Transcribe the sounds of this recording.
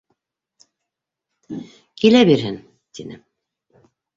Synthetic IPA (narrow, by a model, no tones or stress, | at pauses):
kilæbiɾɦɘn | t̪inɘ̰